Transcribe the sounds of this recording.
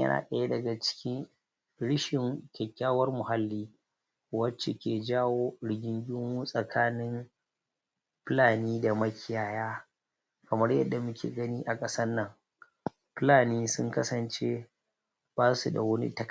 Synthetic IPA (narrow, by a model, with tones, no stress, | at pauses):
ɐ̰˦na̰ː˨kʼɐ˨je˦dɐ˨ɡa˨t͡ʃɪ̥˦kʲɪ˦ŋ | ɽɪ˦ʃɪ˨ŋkʲɛ˨kʲːaː˦wɐ˦rmʊ˨ɦa˦lːiː˦ | wɐ˦t͡ʃːe˨kʲeː˨d͡ʒaː˦woː˦ɽɪ˨ɡʲɪ˦ŋɡʲʊ˦muː˦sʼɐ˨kʰaː˦nɪ˦m | ɸɪ˦laː˨niː˦da˨mɐ˦kʲɪ˦jaː˦jaː˦ | kɐ˨mɐ˦rjɐ˦dːa˨mʊ˦kʲʰḛː˨ɡɐ˦niː˦ʔa˨kʼɐ˦sɐ˦nːɐ˦˨ŋ | ɸɪ˦laː˨niː˦sʊ˦ŋkɐ˦sɐ˨nt͡ʃe˦ | b̥aː˦su˨da̰˨wɐ˦nḭ˦tɐ˦k